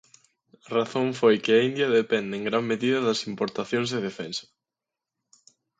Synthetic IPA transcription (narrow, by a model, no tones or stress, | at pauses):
raθõɱfojkɪɐind̪jɐðepɛnd̪eeŋɡɾammeðiðɐðɐsimpoɾt̪aθjõŋzðeðefɛnsɐ̥